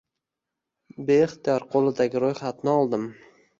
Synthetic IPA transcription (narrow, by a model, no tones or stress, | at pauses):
beːχt̪ijɒɾqʰolˠɪd̪aɡʲɪɾojχat̪nɪɒlˠd̪ɪm